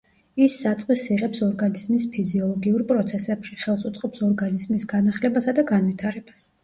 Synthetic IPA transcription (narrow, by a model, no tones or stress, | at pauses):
isːat̪sʼqʼisiʁɛpsɔɾɡanizmispʰiziɔlˠɔɡiuɾpʼɾɔt̪sʰɛsɛpʃiχɛlˠsut̪sʼqʼɔpsɔɾɡanizmisɡ̥anaχlɛbasad̪aɡanvit̪ʰaɾɛb̥as